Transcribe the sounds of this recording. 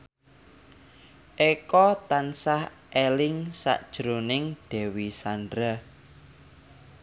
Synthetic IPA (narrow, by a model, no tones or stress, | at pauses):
ʔekɔt̪ansah | ʔelɪŋsa̰ʔd̥ʒ̥ɾonɪŋd̪̥ɛ̤wisandɾə